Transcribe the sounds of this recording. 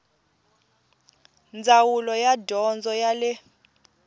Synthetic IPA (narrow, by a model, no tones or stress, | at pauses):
nd͡zʱawulɔjadʱɔnd͡zʱɔjalɛ